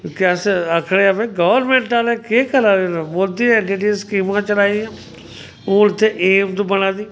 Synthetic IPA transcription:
kəsəkʰɽeːəpẽːɡɔːʋəɾmẽːɳʈaːlɛːkeːkəlaːɾenːboːld̪iːẽːɳʈiːʈiːskiːmãːt͡ʃəlaːiãː | oːɪt̪ʰːeːʔeːmt̪ubənãːd̪iː

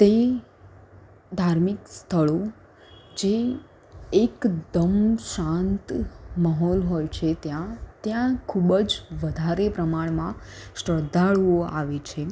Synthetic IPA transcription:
t̪e | d̪ʱaɾmikst̪ʰəɭo | d͡ʒeː | kd̪əmʃãnt̪maɦɔlɦojt͡ʃʰet̪jãt̪jãkʰubəd͡ʒʋəd̪ʱaɾepɾəmaɳmã | ʃəd̪ʱaɭʋoa̰ʋet͡ʃʰe

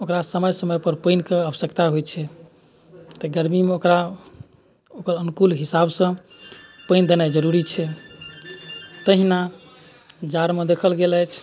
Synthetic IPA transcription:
okɾasəməjsəməjpəɾpəjnkeəbəsəkt̪aɦojt͡ʃʰɛ | t̪ɔɡəɾmimeokɾa | okəɾənkulɦisabsə̃ | pəɪnd̪enajd͡ʒəɾuɾit͡ʃʰɛ | t̪əɦina | d͡ʒaɾmed̪ekʰəlɡelɛjt͡ʃʰ

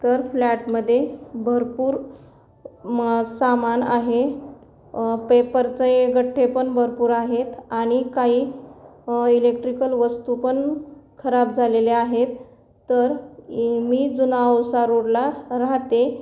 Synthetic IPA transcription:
t̪əɾflæʈməd̪ʱːjebʱəɾpuːɾ | samanaɦe | pepəɾt͡səeɡəʈʰːepəɳbʱəɾpuːɾaɦet̪aɽ̃ikaɦiː | ilek̚ʈɾikəlʋəst̪upəɳkʰəɾab̚d͡zʱaleleaɦet̪ː | əɾ | miːd͡zunaəwsaɾoɽlaɾaɦt̪e

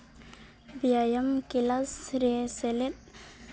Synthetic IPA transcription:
biajɐmkilasɾeselet̪̚

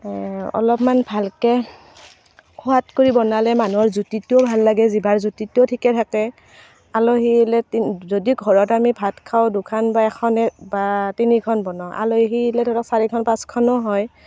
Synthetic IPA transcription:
ɔ̰lɔpmanbʱalkɛ | kʰuatkoɹibɔnalɛmanuɔɹzutitobʱalːaɡɛzibaɹzutitotʰikɛtʰakɛ | aloɦilɛtzodiɡʱɔɹɔtamibʱatkʰawdʊkʰanbaɛkʰɔnɛbatinikʰɔnbɔnɔʔa̰loɦilɛdʰɔdɔksaɹikʰɔnpãskʰɔnɔɦɔj

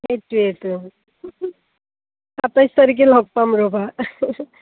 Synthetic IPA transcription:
etuetu | atajst̪ʌɾik̬elɔɡ̚pamɹoba

